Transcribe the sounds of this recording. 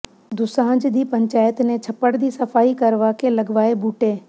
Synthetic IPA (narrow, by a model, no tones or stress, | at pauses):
d̪ʊsãːd͡ʒd̪ʱiːpɐ̃ɲt͡ʃaːjət̪nẽt͡ʃʰɐpəɽd̪ʱiːsɐfaːɦikɐɾʋakʰelɐɡʋaːebʱuːʈeː